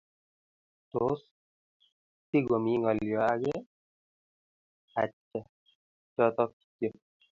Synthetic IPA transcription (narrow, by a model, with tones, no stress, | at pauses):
t̪o˨s | ti˦ɡo˨mi˨ŋɔ˨ljɔ˨aɡɛ | a̰˨t͡ʃːɛ˨ | t͡ʃɔt̪ɔ˦k̚i̥tjɔ